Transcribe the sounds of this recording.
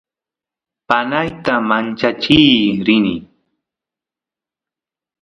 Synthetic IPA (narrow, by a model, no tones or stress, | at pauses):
panajt̪amant͡ʃat͡ʃijɾɪnɪ